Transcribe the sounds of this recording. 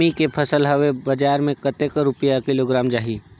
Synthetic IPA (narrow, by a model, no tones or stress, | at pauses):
ikepʰɐsəlɦɐwebɐd͡ʒaːɾmẽkət̪eːkɾʊpəjakɪloːɡɾaːmd͡ʒaːɦiː